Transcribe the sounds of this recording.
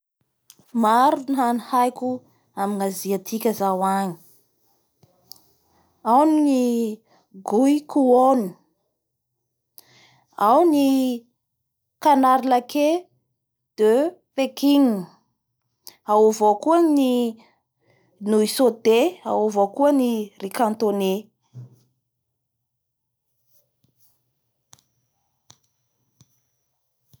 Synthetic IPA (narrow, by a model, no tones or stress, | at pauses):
maɾunɦanihajkʲu | aminaziat̪ʰikʲəzawaɲi̥ | awnni | ɡuikuoni | awni | kanaɾilake | d̪̥øpekiŋ | aovokuəni | nuisot̪eaovokuənirikant̪one